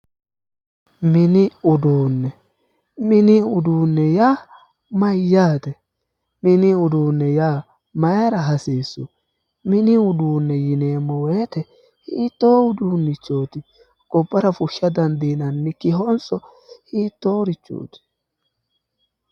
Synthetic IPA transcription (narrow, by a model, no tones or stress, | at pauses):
mɪnɪʊd̪uːnːɛ | mɪnɪʊd̪uːnːɛjaː | mɐjːaːt̪ɛ | mɪnɪʊd̪uːnːɛjaː | mɐjɾɐɦɐseːsːʊ | mɪnɪʊd̪uːnːɛjɪneːmːɔweːt̪ɛ | hiːt̪ːo̞ːʊd̪uːnːɪt͡ʃːo̞ːt̪ɪ | ɡ̥ɔbːɐɾɐfʊʃːɐd̪ɐnd̪iːnɐnːɪkɪɦɔnsʼɔ | hiːt̪ːoːɾɪt͡ʃːo̰ːt̪ɪ̥